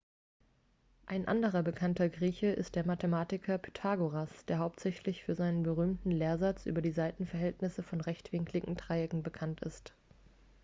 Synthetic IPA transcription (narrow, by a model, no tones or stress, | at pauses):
ʔaɪnʔa̰ndəʁ̞ɐbəkʰantɐɡʁiːçəʔɪ̰st̚d̥eːɐmatəmaːtɪkʰɐpʰy̥tʰaːɡoʁasd̥eːɐɦaʊp̚tz̥ɛçlɪçfyːɐzaɪnənbəʁ̞yːmtn̩leːɐzat͡sʔy̰ːbɐdiːzaɪtn̩fɛɐɦɛltnɪsəfɔnʁɛçtv̥ɪŋkʰlɪɡŋ̩tʁ̥aɪɪɡŋ̩bəkʰantɪ̰st